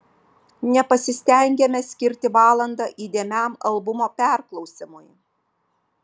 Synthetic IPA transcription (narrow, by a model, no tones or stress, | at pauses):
nʲɛpɐsʲɪsʲt̪ʲɛˑŋʲɡʲɛmʲɛsʲkʲɪɾʲt̪ʲɪʋɑːlˠɐnd̪ɐʔiːd̪ʲeːmʲæˑmɐlˠbʊmoːpʲɛˑɾklˠɒʊsʲɪmʊj